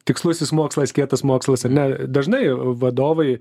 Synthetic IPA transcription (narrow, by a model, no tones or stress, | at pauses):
t̪ʲɪkslˠʊsʲɪsmoːkslˠɐskʲiɛt̪ɐsmoːkslˠɐsɐɾʲnʲɛd̪ɐʒnɐɪʋɐd̪oːʋɐɪ